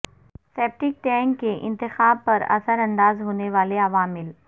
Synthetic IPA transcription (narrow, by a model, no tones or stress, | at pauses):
seːp̚ʈɪk̚ʈɛ̃ːŋkːeʔɪ̰̃nt̪ɪxaːb̚pɐɾɐ̰səɾɐ̃nd̪aːzɦoːneʋaːleɐʋaːmɪl